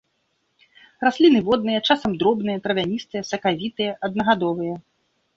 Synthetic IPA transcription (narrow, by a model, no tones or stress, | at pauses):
rasʲlʲinɨvɔd̪̚nɨjɐt͡ʂasɐmd̪ɾɔbnɨjɐt̪ɾɐvʲanʲist̪ɨjɐsɐkavʲit̪ɨjɐʔɐd̪nɐɣad̪ɔvɨjɐ